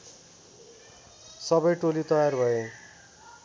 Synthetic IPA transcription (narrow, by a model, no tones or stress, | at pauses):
sʌbʌjʈolit̪ʌjarbʱʌe